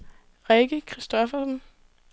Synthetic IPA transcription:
ʁeɡ̥əkʰʁisd̥ɒfɐsn

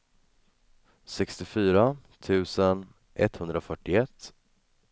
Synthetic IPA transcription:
sɛkst̪ɪfyːɾat̪ʰʉ̟ːsən | ʔɛ̰t̪ːhɵnd̪ɾafœʈːɪɛt̪ː

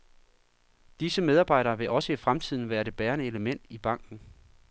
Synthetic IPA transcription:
d̥isəmeð̞ˠɑ̈ːb̥ɑ̈ɪ̰ɾ̥ɐːʋe̝ʔɒ̽səifʁamt͡sʰið̞̰ˠn̩ʋæːɐɾ̥e̝b̥æːɐnəe̝ləmen̰d̥ib̥ɑ̈ŋ̰ɡ̥n̩

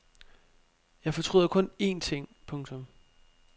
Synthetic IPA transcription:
jɑ̈ɪfɒ̽t͡sʰʁṵðˠɐkʰɔ̽ne̝̰ːnt͡sʰe̝ŋ̰pʰɔ̽ŋt͡sʰɔ̽m

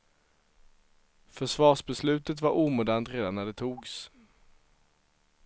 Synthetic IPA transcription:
fœʂvɑːʂbɛslʉ̟ːt̪ət̪vaɾʔuːmuːd̪ant̪ɾeːd̪anːæɖɛt̪ʰuːɡs

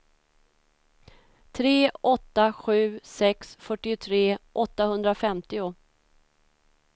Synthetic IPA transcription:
t̪ʰɾeːʔɔt̪ːaɧʉ̟ːsɛksfœʈːɪʊt̪ʰɾeːʔɔt̪ːahɵnd̪ɾafɛmt̪ɪʊ

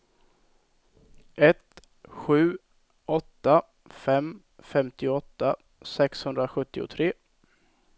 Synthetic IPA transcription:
ʔɛt̪ | ɧʉ̟ː | ʔɔt̪ːa | fɛm | fɛmt̪ɪɔt̪ːa | sɛkshɵnd̪ɾaɧɵt̪ːɪʊ̰t̪ʰɾeː

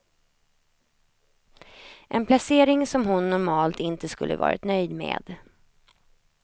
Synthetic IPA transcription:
ʔɛnpʰlaseːɾɪŋsɔmɦʊnːʊɾmɑːlt̪ɪnt̪əskɵlːə̰vɑ̰ːɾʔɪ̰t̪nœjd̪mḛːd̪

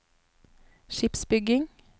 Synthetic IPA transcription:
ʃɪpsbʏɡɪŋ

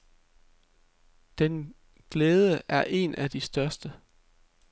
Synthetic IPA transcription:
d̥en | ɡ̥leːð̞ˠəʔæɐʔe̝nʔæd̥isd̥ɶɐsd̥ə

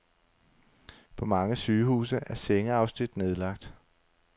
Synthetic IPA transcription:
pʰɒ̽mɑ̈ŋəsyːhṵːsəʔæɐseŋəɑ̈ʊsn̥id̥ne̝ð̞ˠlɑ̈ɡ̥̚d̥

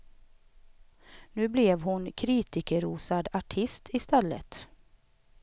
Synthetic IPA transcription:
nʉ̟ːblɛvhʊnkʰɾiːt̪ɪkəɾuːsad̪aʈʰɪst̪ʰɪst̪ɛlːə̰t̪

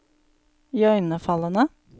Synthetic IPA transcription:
iœʏnəfɑlənə

